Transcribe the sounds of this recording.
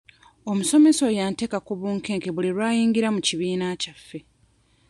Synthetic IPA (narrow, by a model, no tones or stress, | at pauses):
o̞muso̞me̞so̞jaːnte̞ːkakuβuːŋke̞ːŋkeβuliɾwaːjiːŋɡiɾamuciβiːnacafːe̞